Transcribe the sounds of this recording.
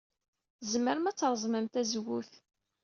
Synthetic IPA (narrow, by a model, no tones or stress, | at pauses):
zməɾəmæt͡sːɾˤzˤməmt̪æzwuθ